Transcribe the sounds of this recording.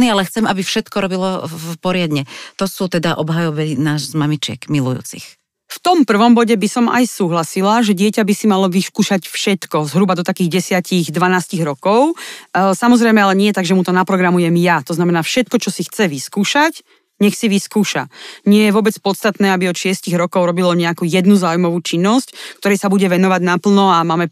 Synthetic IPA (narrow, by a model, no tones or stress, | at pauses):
nialɛxt͡sɛmabifʃɛt̪kɔɾɔbilɔpɔɾɪad̪ɲɛt̪ɔsuːt̪ɛd̪aʔɔbɦajɔʋɛnaːʒzmamit͡ʃɪɛ̰kmilṵjṵːt͡sḭx | ft̪ɔmpr̩ʋɔmbɔɟɛbisɔma̰jsuːɦlasilaʒɛɟɪɛcabisimalɔʋiskuːʃacfʃɛt̪kɔzɦɾubad̪ɔt̪akiːɣɟɛsɪaciɣd̪ʋanaːsciɣɾɔkɔʊsamɔzɾɛjmɛalɛɲɪɛjt̪aɡʒɛmut̪ɔnapɾɔɡɾamujɛmjat̪ɔznamɛnaːfʃɛt̪kɔt͡ʃɔsixt͡sɛʋiskuːʃac | ɲɛxsiʋiskuːʃa̰ɲɪɛjɛʋʊɔbɛt͡spɔt̪st̪at̪nɛːabiɔt̪ʃɪɛsciɣɾɔkɔʊɾɔbilɔɲɛakuːjɛd̪nuzaːujmɔʋuːt͡ʃinːɔsckt̪ɔɾɛsabuɟɛʋɛnɔʋaɟnapl̩nɔamaːmɛ